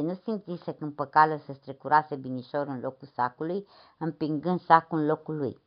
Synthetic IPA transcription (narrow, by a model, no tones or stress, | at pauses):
nusint̪sisəkɨmpəkaləsəst̪ɾekuɾasebiniʃoɾɨnlokusakulujɨmpiŋɡɨnd̪sakulɨnlo̞kulṵj